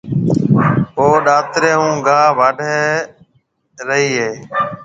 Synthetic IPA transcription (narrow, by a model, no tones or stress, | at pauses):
ɦoːɗaːt̪ɾeːɦũːɡʱaːʋaːɖʱe | ɾəɦiːɦeː